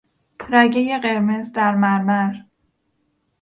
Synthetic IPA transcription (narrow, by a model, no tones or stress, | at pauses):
pʰɾæɟeje̞ɢe̞ɾmezd̪æɾmæɾmæɾ